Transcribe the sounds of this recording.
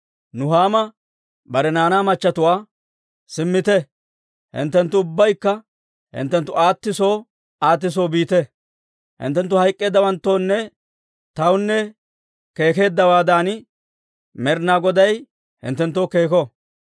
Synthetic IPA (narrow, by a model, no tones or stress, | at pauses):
nʊɦaːmɐ | bɐɾɛnaːnaːmɐt͡ʃːɐt̪ʊwaː | sɪmːɪt̪ɛ | hɪ̰nt̪ːɛnt̪ːʊʊbːɐjkːɐ | hɪ̰nt̪ːɛnt̪ːʊaːt̪ːɪso̞ː | aːt̪̬ːɪs̬o̞ːbiːt̪ɛ | hɪ̰nt̪ːɛnt̪ːʊhɐjkʼːe̞ːd̪ːɐwɐnt̪ːo̞ːnːɛ | t̪ɐwnːɛ | ke̞ːke̞ːd̪ːɐwaːd̪aːn | mɛɾnaːɡɔd̪ɐj | hɪ̰nt̪ːɛnt̪ːoːkeːkɔ